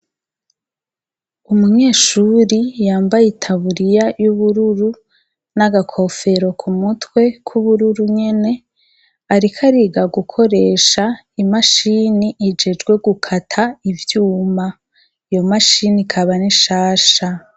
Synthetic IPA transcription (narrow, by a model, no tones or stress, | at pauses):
umuɲe̞ːʃuɾijaːmbajitʰaβuɾijajuβuɾuɾu | naɡakʰo̞fe̞ɾo̞kʰumutwe̞kʰuβuɾuɾuɲe̞ne̞ | aɾikʰaɾiɡaɡukʰo̞ɾe̞ːʃa | imaʃiniʔid͡ʒe̞d͡ʒɡwe̞ɡukʰatʰaivjuːma | ijo̞maʃinikʰaβaniʃaːʃa